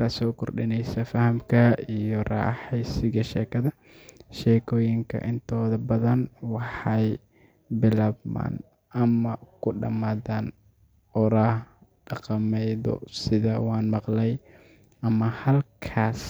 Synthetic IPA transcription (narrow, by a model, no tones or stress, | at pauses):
kasɔːkʰɔrɖɪnɛjsɐfɐhɐmkʰɐijɔrɑ̰ːħɛjsɪɣɐʃɛːkʰɐðɐ | ʃɛːkʰɔːjɪŋkʰɐ̰ʔɪnt̪ʰɔːðɐbɐðɐnwɑħɑj | bɪlaːbma̰ːn | ʔɐmɐkʰʊɖɐmaːðaːn | ɔɾaːh | ɖɑqɑmɛjðɔ̰sɪðɐwɑːnmɑqlɛj | ʔɐmɐhɐlkʰaːs